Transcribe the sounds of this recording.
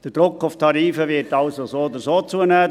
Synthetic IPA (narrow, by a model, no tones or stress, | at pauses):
d̥əd̥ɾʊkːʊftʰɑɾiːfəʋɪtɑlsosoːod̪əsoːt͡suənæː